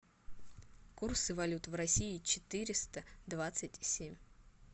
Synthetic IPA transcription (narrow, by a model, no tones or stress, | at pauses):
kursɨvɐlʲut̪vrɐsʲiɪt͡ɕɪt̪ɨɾʲɪst̪əd̪vat̪sɨtʲsʲemʲ